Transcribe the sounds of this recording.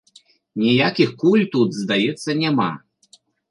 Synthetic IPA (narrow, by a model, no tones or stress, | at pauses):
nʲijakʲixkulʲt̪ut̪zd̪ajɛt̪sːɐnʲama̰